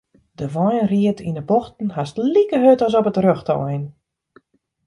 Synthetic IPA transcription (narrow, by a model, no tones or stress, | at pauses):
dəʋɔjənriətʰinəbɔxtn̩hastlikəɦøtɔs̬ɔpətrøxtɔ̰wɛjn